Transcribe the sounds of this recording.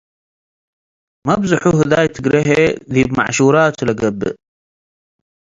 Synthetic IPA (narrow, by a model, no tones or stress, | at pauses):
mabzəħuɦəðaːjt̪əɡɾɪɦeðiːbma̰ʕʃuːɾɑːt̪laɡabː